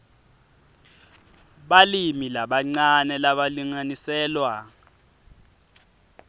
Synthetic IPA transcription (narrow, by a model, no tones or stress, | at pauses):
ɓalimilaɓaŋ͡ǀanɛlaɓaliŋanisɛːlwa